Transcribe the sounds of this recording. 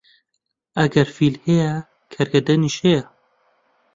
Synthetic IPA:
ɐɡɐɾfilhejɛ | kʰɐɾɡɐd̪ɐniʃhejɐ

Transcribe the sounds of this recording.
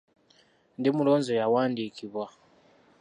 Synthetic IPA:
ndimuloːnzojawaːndikiβwa

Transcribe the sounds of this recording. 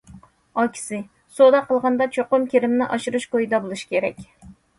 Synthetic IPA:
ɑkʲʰi̥sɪ | sod̪ɑqʰəlˠʁɑnd̪ɑt͡ʃʰoqʊmkʲʰeɾɪmnɪʔɑʃiɾɨʃkojid̪ɑbolˠuʃi̥kʲʰeɾɛkʲ

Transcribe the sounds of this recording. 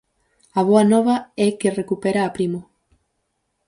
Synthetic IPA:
aβ̞oanɔβɐɛkerekupeɾaːpɾimo

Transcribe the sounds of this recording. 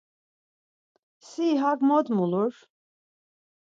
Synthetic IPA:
siːɦaɡmɔd̪muluɾ

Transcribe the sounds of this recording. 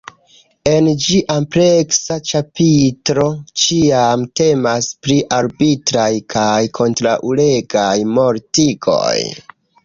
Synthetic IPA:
e̞nd͡ʒiʔampɾeksat͡ʃapitɾo̞t͡ʃiamte̞maspɾiʔaɾbitɾajkʰajkʰo̞ntɾaʔule̞ɡajmo̞ɾtiɡo̞̰j

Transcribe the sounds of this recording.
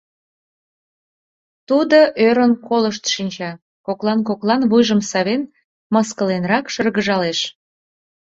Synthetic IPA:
t̪ud̪oʔøɾənkoləʃt̪ʃinʲt͡ɕɑ | koklɑnkoklɑnβujʒəmsɑβen | məskəlenɾɑkʃərɣəʒɑleʃ

